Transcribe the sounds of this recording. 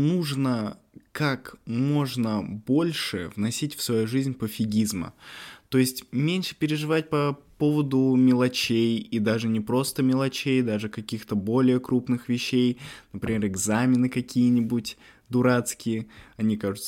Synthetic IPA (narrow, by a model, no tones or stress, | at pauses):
nuʐnə | kakmo̞ʐnəbo̞lʲʂɨvnɐsʲitʲfsvɐjuʐɨzʲnʲpəfʲɪɡʲizmə̰t̪o̞jɪsʲtʲmʲenʲʂɨ̥pʲɪɾʲɪʐɨvat̚ʲpɐpo̞vəd̪ʊmʲɪlˠɐt͡ɕejid̪aʐɨnʲɪpɾo̞st̪əmʲɪlˠɐt͡ɕejd̪aʐɨkɐkʲixt̪əbo̞lʲɪjəkɾupnɨxvʲɪɕːejnəpɾʲɪmʲe̞ɾɨɡzamʲɪnɨkɐkʲijənʲɪbutʲ | d̪ʊɾat̪skʲɪjəɐnʲikaʐʊt̪sə